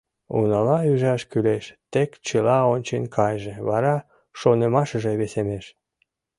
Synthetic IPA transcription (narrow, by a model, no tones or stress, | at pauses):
ṵnɑlɑyʒɑʃkyleʃt̪ekt͡ɕəlɑonʲt͡ɕenʲkʰɑjʒeβɑɾɑ | ʃonemɑʃəʒĕβesemeʃ